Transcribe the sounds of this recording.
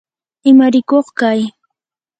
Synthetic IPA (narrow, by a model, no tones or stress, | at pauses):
ɪmaɾɪkoχkaj